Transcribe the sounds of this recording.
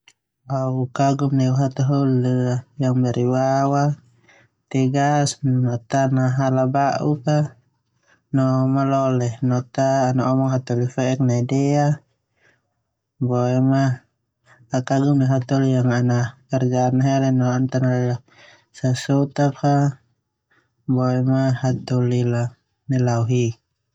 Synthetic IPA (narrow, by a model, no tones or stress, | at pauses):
aukaɡumnɛuɦat̪ɔɦulːjaŋbɛɾiwawa | t̪ɛɡasnɔt̪anaɦalabaʔuka | nɔmalɔlɛnɔt̪aːnaɔmɔŋɦat̪ɔlifɛɛk̚naidɛa | bɔɛma | akaɡumniɦat̪ɔlijaŋanakard͡ʒanaɦɛɾɛnɔant̪analɛa | sasɔt̪aka | bɔɛmahat̪ɔlila | nilauɦi